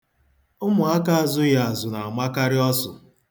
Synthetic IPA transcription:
ʊ˦mʊ˨a˦ka˦a˨zʊ˦ja˨a˨zʊ˨na˨a˨ma˦ka˦ɾɪ˦ɔ˦sʊ˨

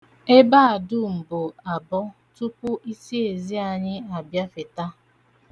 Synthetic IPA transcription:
e˦baː˦a˨dʊ˦m̩˨bʊ˨a˨bɔ˦ | tu˦pʊ˦ʔi˦si˦e˨zi˦a˨ɲɪ˦a˨bja˦fɪ˨ta˦

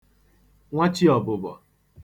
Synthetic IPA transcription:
ŋʷa˦t͡ʃi˦ɔ˨bʊ˨bɔ̰˨

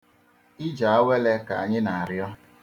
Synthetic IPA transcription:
i˦d͡ʒa˨a˦we˦le˦ka˨a˨ɲɪ˦na˨a˨ɾjɔ˦

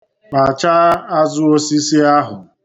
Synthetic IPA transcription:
k͡pa˨t͡ʃa˦a˦zʊ˦o˦si˦si˦a˦ɦʊ˨

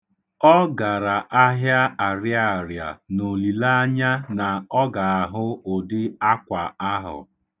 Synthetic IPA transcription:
ɔ˦ɡa˨ɾa˨ʔa˦ɦja˦a˨ɾja˦a˨ɾja̰˨no˨li˨la˦ɲa˦na˨ɔ˦ɡa˨a˨ɦʊ˦ʊ˨dɪ˦a˦kʷa˨a˦ɦʊ̰˨

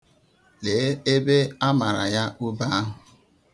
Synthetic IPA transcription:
le˨˦e˦be˦a˦ma˨ɾa̰˨ja˦ʔʊ˦ba˦a˦ɦʊ˨

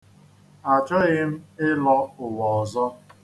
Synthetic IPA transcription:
a˨t͡ʃɔ˦ɣɪ˦m̩˦ɪ˦lɔ˦ʊ˨wɔ˨ɔ˨zɔ˦

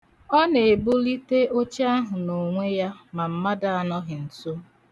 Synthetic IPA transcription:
ɔ˦ne˨e˨bʊ˦li˦te˦ʔo˦t͡ʃa˦ɦʊ˨no˨ŋʷe˦ja˦ma˨m̩˨ma˦da˨a˨nɔ˦ɦɪ˨n̩˨to˦

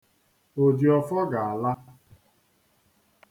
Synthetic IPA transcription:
o˨di˨ɔ˨fɔ˦ɡa˨a˨la˦

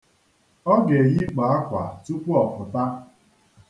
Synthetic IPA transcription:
ɔ˦ɡe˨ɣi˦k͡pa˨a˦kʷa̰˨tu˦kʷu˦ɔ˨kʊ˨ta˦

